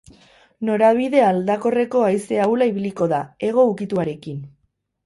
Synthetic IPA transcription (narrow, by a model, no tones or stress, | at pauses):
no̞ɾaβ̞iðe̞ald̪ako̞re̞ko̞ajse̞awlaiβiliko̞ðae̞ɣ̞o̞ukit̪uaɾe̞kin